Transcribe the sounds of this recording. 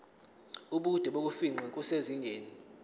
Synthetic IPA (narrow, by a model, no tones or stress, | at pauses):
uɓud̥ʱɛɓok̬ʼufiŋ͡ǃʱɛkʼuseziŋɡʱeːni